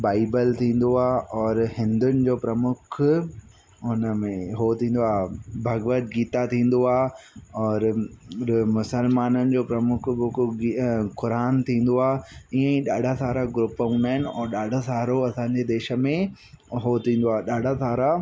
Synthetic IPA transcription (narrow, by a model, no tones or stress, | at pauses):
baːɪbəlt̪ʰĩːn̆d̪oaːɔːɾhɪ̃nd̪ʊnɪ̆d͡ʑoːpɾɐmʊkʰ | ʊnəmẽɦoːt̪ʰĩːn̆d̪oaːbʱɐɡəʋət̪̚ɡiːt̪at̪ʰĩːn̆d̪oaːɦɔːɾ | mʊsəlmaːnənɪ̆d͡ʑoːpɾɐmʊkʰbʊkikʊɾaːnt̪ʰĩːn̆d̪oaːiə̃ĩɗaːɖʱasaːɾaɡɾʊpːəɦũːnd̪aːɦɪnɪ̆ɔ̰ːɾɗaːɖʱasaːɾoɐsãːɲ̆d͡ʑed̪eːʃə̆mẽ | ɦoːt̪ʰĩːn̆d̪oaːɗaːɖʱasaːɾa